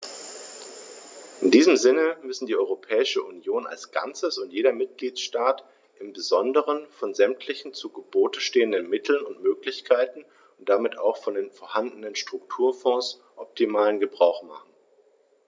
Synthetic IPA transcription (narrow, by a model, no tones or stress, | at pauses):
ʔɪndiːzəm̩zɪnəmʏsn̩diːɔʏʁopʰɛːɪʃəʔunjoːna̰lsɡ̥a̰nt͡səsʊntjeːɾɐmɪt̚ɡ̥liːtʃtaːt | ʔɪmbəzɔndəʁənfɔnzɛmtʰlɪçn̩t͡suɡəboːtəʃteːəndənmɪtʰl̩nʊntmøːklɪçkʰaɪtn̩ | ʊnt̚d̥amɪtʰa̰ʊxfɔndeːnfɔːɐhandnənʃtʁ̥ʊktʰuːɐfɔ̃ːs | ʔɔp̚tʰimaːlənɡəbʁaʊxma̰χn̩